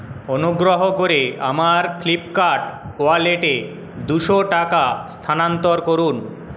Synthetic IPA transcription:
onuɡɾoɦokoɾea̰maɾklipkaɾʈoaleʈe | d̪uʃoʈakast̪ʰanant̪oɾkoɾun

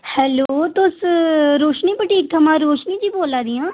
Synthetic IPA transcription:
hɛːloːt̪ʊsɾoːʃniːpəʈiːk̚t̪ʰəmãːɾoːʃniːd͡ʒiːboːlaːd̪ijãː

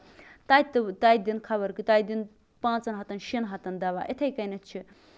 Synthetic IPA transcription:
t̪ajt̪t̪ajd̪inkʰɐβɐɾkɨt̪ajd̪in | pãːt͡sɐnɦɐt̪ɐnʃinɦɐt̪ɐnd̪ɐʋa̰ʔet̪ʰɐjkɐjnɐt͡ʃʰi

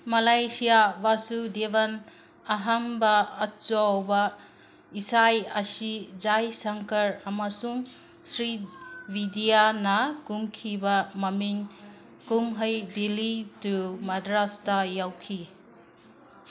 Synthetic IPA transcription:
malajsijabasudebɐn | aɦambɐːt͡ʃowbɐ | isajɐsid͡ʒajsɐŋkɐɾamasuŋ | sɾibidijanɐkumkʰibamɐmiŋ | kumɦəjdilitumadɾastajawkʰi

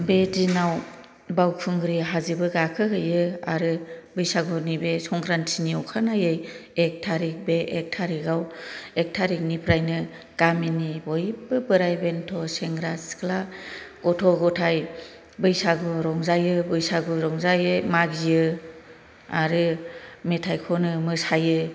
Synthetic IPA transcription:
betinaw | bawkʰuŋɡɾiɦazibɯɡakʰɯkɯjɯa̰ɾɯbɯjsaɡunibesɔŋkʰɾantʰiniɔkʰanajɯjek̚tʰaɾik̚beʔek̚tʰaɾiɡawek̚tʰaɾik̚nipʰɾajnɯ | ɡ̥aminibɔjbɯbɯɾajbentʰɔseŋɡɾaskʰlaɡ̥ɔtʰɔɡɔtʰaj | bɯjsaɡɔɾɔŋzajɯbɯjsaɡɔɾɔŋzajɯmaɡijɯ | a̰ɾɯmetʰajkʰɔnɯmɯsajɯ

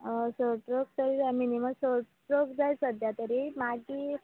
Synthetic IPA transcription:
soʈɾok̚t̪əɾiɾaminiməsoʈ | ɾokd͡zajsəd̪jat̪əɾimaɡi

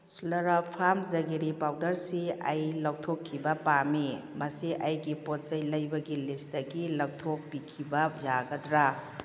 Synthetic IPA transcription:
sulɐɾɐpʰamzɐɡiɾipawdɐɾsiɐjlɐw̚tʰokʰːibɐpamimɐsiʔɐjɡipot̚sɐjlɐjbɐɡilist̚dɐɡilɐw̚tʰok̚pikʰibɐjaɡɐdɾa

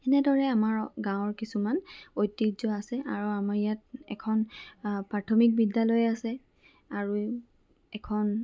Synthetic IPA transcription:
ɛnɛdɔɹɛamaɹɡãw̃ɔɹkisumanojtːizɔasɛʔa̰ɹuamaɹijat̚ɛ̰kʰɔnpɹatʰɔmik̚bidːalojasɛ | aɹu | ɛkʰɔn

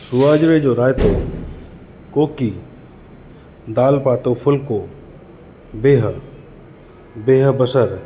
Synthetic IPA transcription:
sʊaːd͡ʒɾed͡ʒoɾaːjt̪o | koːki | d̪aːlpaːt̪opʰʊlko | beːɦ | beːɦbəsəɾ

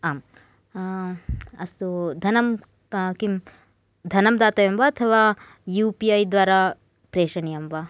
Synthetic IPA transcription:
aːm | ɐst̪ud̪ʱɐnɐm | kim | d̪ʱɐnɐmd̪aːt̪ɐjɐmbɐɐt̪ʰɐʋaː | juːpiɐjd̪ʋaːɾaː | pɾeːʃɐnijɐmba

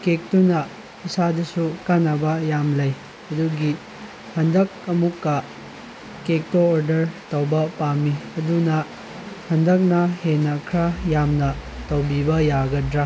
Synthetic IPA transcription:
kek̚tunɐ | isadusukanɐbɐjamlɐj | ɐduɡi | hɐndɐk̚ɐmukːɐ | kek̚toːɾdɐɾtɐwbɐpamiɐdunɐ | hɐndɐk̚nɐhenɐkʰɾajamnɐtɐwbibɐjaɡɐdɾa

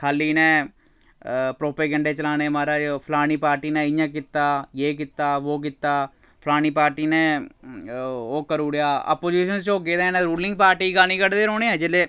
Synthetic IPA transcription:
kʰaːliːnẽː | pɾoːpeːɡə̃ɳɖeːt͡ʃəlaːneːmaːɾaːpʰlaːɽ̃iːpaːɾʈiːnẽːɪjãːk̬ɪt̪ːaːjeːkɪt̪ːaːʋoːk̬ɪt̪ːaː | pʰlaːñiːpaːɾʈiːnẽː | oːkəɾuːɽjaːə̰ːpoːd͡ʒiːʃənzt͡ʃoːɡeːd̪ẽːnɛːɾuːlɪ̃ŋɡ̚paːɾʈiːɡaːniːkəɽd̪eːɾoːɽ̃eːɛːd͡ʒɪleː

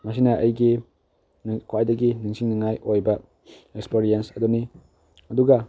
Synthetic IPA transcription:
mɐs̬inɐʔɐjɡi | nkʰoajdɐɡiniŋsʰiŋniŋajʔojbɐ | ekspeɾiensɐduni | ɐduɡɐ

